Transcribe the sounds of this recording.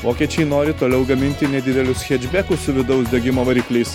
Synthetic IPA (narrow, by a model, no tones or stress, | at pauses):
ʋoːkʲiɛt͡ʃʲɛɪnoːɾʲɪt̪oːlʲɛʊɡɐmʲɪnʲt̪ʲɪnʲɛd̪ʲɪd̪ʲɛlʲʊsxʲɛd͡ʒʲbʲækʊsʊʋʲɪd̪ɒʊsd̪ʲɛɡʲɪmoːʋɐɾʲiːklʲɛɪs